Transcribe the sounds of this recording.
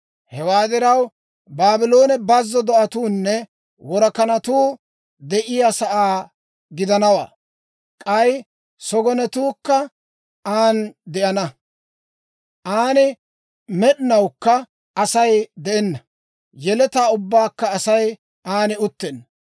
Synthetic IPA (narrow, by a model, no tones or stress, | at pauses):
hɛwaːd̪ɪɾɐw | baːbɪlo̞ːnɛbɐzːɔd̪ɔʔɐt̪uːnːɛ | wɔɾɐkɐnɐt̪uː | d̪ɛʔɪjasɐʔaː | ɡɪd̪ɐnɐwa̰ː | kʼɐj | sɔɡɔnɛt̪uːkːɐ | aːnd̪ɛʔɐnɐ | ʔaːnɪ | mɛɗɪnɐwkːɐ | ɐsɐjd̪ɛʔɛnːɐ | jɛlɛt̪aːʊbːaːkːɐːsɐj | ʔaːnɪʊt̪ːɛn